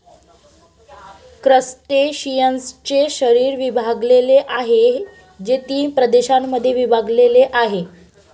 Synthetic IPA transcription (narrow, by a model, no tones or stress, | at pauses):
kɾəst̪eɕijənst͡ɕeɕəɾiːɾʋibʱaɡleleʔaɦe | d͡ʑet̪iːpɾəd̪eɕamːəd̪ʱːjeʋibʱaɡleleʔaɦe